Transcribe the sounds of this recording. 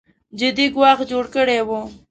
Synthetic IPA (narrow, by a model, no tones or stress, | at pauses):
d͡ʒɪd̪iɡwɑxd͡ʒoɽkəɽewu